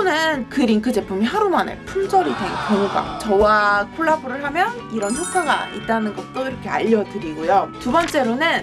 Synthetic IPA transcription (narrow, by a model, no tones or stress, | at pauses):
onɯnkɯɾiŋkʰɯd͡ʑe̞pʰumiɦaɾumanḛpʰumsʰʌɾideŋkʌŋɡa̰t͡ɕʌwakʰoɭːabuɾɯɭɦamjʌn | iɾʌnçjok͈aɡa̰it̚t͈anɯnɡʌt̚t͈oiɾʌkʰe̞a̰ʎːʌdɯɾiɡojotubʌnt͡ɕ͈e̞ɾonɯn